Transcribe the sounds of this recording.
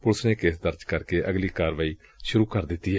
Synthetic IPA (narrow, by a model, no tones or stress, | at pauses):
pʊlsneːkeːsd̪əɾd͡ʒkəɾkeːʔəɡliːkaːɾʋaːiː | ʃʊɾuːkəɾd̪ɪt̪ːiːɦɛː